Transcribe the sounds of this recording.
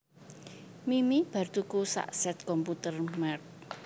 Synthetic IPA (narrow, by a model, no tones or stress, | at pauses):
mimib̥a̤rt̪ukusa̰ʔsɛt̪̚kɔmput̪ərmɛrk̚